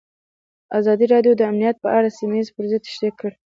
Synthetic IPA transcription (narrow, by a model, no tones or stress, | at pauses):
azɑd̪iɾɑɖjod̪əamnijat̪̚pəʔaɽasimajizpəɾzɪd̪ʃd̪ekəɽ